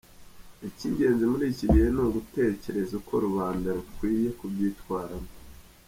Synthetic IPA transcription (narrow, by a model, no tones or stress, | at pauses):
eciːɲɟe̞ːnzimuɾiːciβihenoɡute̞ːce̞ɾe̞zukʰo̞̰ɾuβaːndaɾukwiːje̞kubɟiːtwaːɾamo